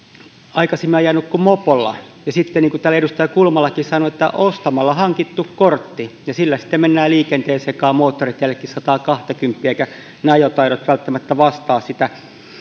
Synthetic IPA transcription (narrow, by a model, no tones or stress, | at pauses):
ɑikɑsemːiɑjɑnːukkumopolːɑ̰jɑsit̪ːeniːŋkut̪ælːæeɾust̪ɑjɑkulmɑlːˑɑkissɑnoet̪ːæ̰ʔost̪ɑmɑlːɑhɑŋkit̪ːukkort̪ːijɑsilːæsi̥t̪ːemmenːæːliːkent̪eːsekɑːmoːt̪ːorit̪jælːekːissɑt̪ɑːkɑht̪ɑkympːiæeikæ | nɑjot̪ɑiɾot̪ʋælt̪ːæmæt̪ːæʋɑst̪ɑːssit̪æ